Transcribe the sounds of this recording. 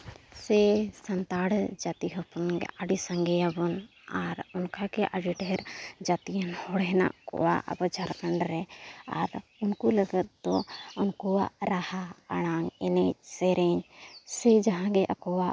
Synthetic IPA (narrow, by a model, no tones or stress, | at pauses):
sɛsɐnt̪aɽd͡ʒat̪iɦɔpɔnɡ̰aɖisəŋɡɛabɔn | aɾʊnkakeʔaɽiɖʱɛɾd͡ʒat̪ijənhɔɽɛɦna̰ʔkɔ̰wa̰ʔə̰bɔd͡ʒʱaɾkəɳɖɾɛa̰ɾʊnkuləɡət̪̚d̪ɔʊnkɔaɾahaəɽ̃aŋɛ̰nɛsɛɾɛɲsɛd͡ʒaɦãɡeʔəkɔwa